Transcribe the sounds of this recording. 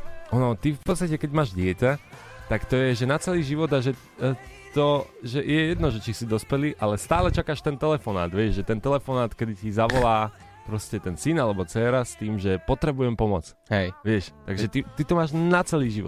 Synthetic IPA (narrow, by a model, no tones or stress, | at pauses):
ɔnɔt̪ifpɔt̪st̪acɛkɛɟmaːʒɟɪɛcat̪akt̪ɔjɛʒɛnat͡sɛliːʒiʋɔd̪aʒɛ | t̪ɔ | ʒɛjɛjɛd̪nɔʒɛt͡ʃisid̪ɔspɛliʔalɛst̪aːlɛt͡ʃakaːʃt̪ɛnt̪ɛlɛfɔna̰ːd̪ʋjɛʒɛt̪ɛnt̪ɛlɛfɔnaːt̪kɛd̪icizaʋɔlaː | pɾɔscɛt̪ɛnsinalɛbɔt͡sɛːɾast̪iːmʒɛpɔt̪ɾɛbujɛmpɔmɔt͡s | ɦɛjʋɪɛʃt̪aɡʒʒɛt̪it̪it̪ɔmaːʒnat͡sɛliːʒiʋɔt̪